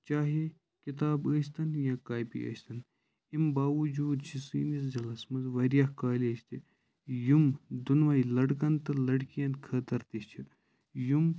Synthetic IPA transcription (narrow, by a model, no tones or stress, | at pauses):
t͡ʃaːɦi | kit̪aːbəːst̪ɐnjãːkaːjpḭʔə̰ːst̪ɐn | imbaːʋɐd͡ʒuːd̪t͡ʃʰisiːnis̬zɐlɐsmɐzʋɐɾjahkaːlʲeːd͡ʒt̪i | jumd̪unʋaːilɐɽkɐnt̪ɐlɐɽkijɐ̃nt̪kʰɐt̪ɐɾt̪ist͡ʃʰi | jum